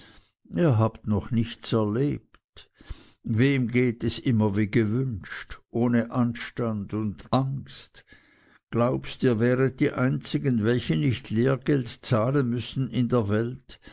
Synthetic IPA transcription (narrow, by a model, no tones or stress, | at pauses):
ʔiːɐɦaːptnɔχnɪçt͡sɛɐleːp̚t | veːmɡeːtɛsʔɪmɐviːɡəvʏnʃtʔoːnəʔanʃtandʊndʔaŋst | ɡ̥laʊpstiːɐvɛːʁət̚d̥iːʔaɪnt͡sɪɡənvɛlçənɪçtʰleːɐɡ̥ɛltt͡saːlənmʏsn̩ɪndeːɐvɛlt